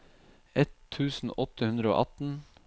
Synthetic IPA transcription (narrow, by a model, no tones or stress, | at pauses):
ʔɛt̪ʰːʉːsn̩ʔɔt̪əhʉnd̪ɾəo̰ːʔɑt̪n̩